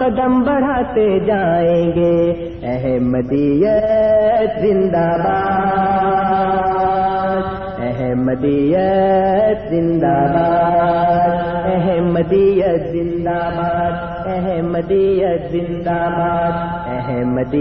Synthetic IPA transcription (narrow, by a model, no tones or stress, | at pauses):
kɐd̪əmbɐɽ̤aːt̪ed͡ʒaːẽːɡeː | ɛɦɛ̃mɐd̪iːjə | t̪zɪ̃nd̪aːbaː | d̪ | ɛɦɛ̃mɐd̪iːjət̪zɪ̃nd̪aːbaː | d̪ɛɦɛ̃mɐd̪ijɐzɪ̃nd̪aːbaːd̪ | ɛɦɛ̃mɐd̪ijəzɪ̃nd̪aːbaːd̪̚ | ɛɦɛ̃mɐd̪i